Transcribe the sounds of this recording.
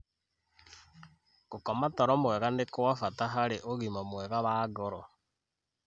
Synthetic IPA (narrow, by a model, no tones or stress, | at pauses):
kokɔmatɔɾɔmwɛɣanekowafataɦaɾeʔoɣimamwɛɣaβaːɡɔɾɔ